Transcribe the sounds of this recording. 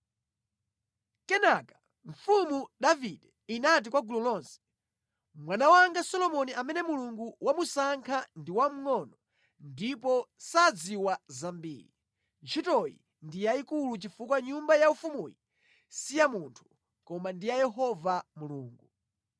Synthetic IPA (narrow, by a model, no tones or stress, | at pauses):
kɛnakḁ | ɱfumudavidɛinat̬ikwaɡulɔlɔnsɛ̥ | mwanawaŋɡasɔlɔmɔniʔamɛnɛmuluŋɡuwamusaŋkʰandiwam̩ŋɔnɔ | ndipɔsad͡ziwazambḭːɾḭ | t͡ʃʰitɔjḭ | ndijaikulut͡ʃifukwaɲumbajaufumuji | sijamuntʰu̥ | kɔmandijajɛɦɔvamuluːŋɡu